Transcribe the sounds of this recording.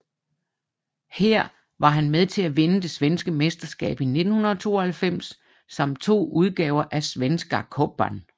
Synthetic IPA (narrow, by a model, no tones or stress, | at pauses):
heɐ̰ | ʋɑ̈ɦænmeð̞ˠt͡sʰe̝læʋe̝nəd̥e̝sʋensɡ̥əmesd̥ɐsɡ̥ɛ̰ːb̥ine̝d̥n̩hunɐðˠɒt͡sʰo̝̰ːhælfem̰sː | ɑm̰d̥̚t͡sʰo̝̰ːuð̞ˠɡ̥ɛːʊɐʔæsʋensɡ̥ɑ̈kʰɔb̥æ̰n